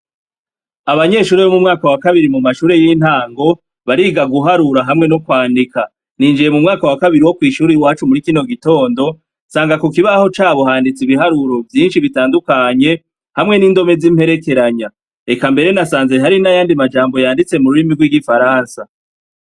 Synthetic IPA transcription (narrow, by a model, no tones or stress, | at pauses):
aβaɲe̞ːʃuːɾeβo̞mumŋaːkawakaβiɾimumaʃuːɾe̞jinthaːŋɡo̞ | βaɾiːɡaɡuɦaɾuɾaɦamŋe̞nokwaːndika | niːnd͡ʒije̞mumŋaːkawakaβiɾiwo̞kwiːʃuːɾiwaːt͡ʃumuɾikino̞ɡito̞ːndo̞ | saːŋɡakokiβaho̞t͡ʃaːβoɦaːndit͡siβiɦaɾuɾo̞vjiːnʃiβitaːndukaɲe̞ | hamŋe̞niːndo̞me̞zimhe̞ɾe̞ke̞ɾaɲa | e̞kambe̞ɾe̞nasaːnze̞ɦaɾinajaːndimad͡ʒaːmbo̞jaːndit͡se̞muɾuɾimiɾɡwiɡifaɾaːnsa